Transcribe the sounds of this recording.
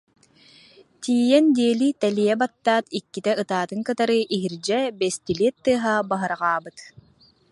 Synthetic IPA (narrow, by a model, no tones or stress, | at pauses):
t̪iːjɛnd̪iɛlit̪ɛlijɛbat̪ːaːt̪ikːit̪ɛɯt̪aːt̪ɯŋkɯt̪aɾɯʔiɦiɾd͡ʑɛbɛst̪ilit̪ːɯːɦaːbaɦɯɾʁaːbɯt̪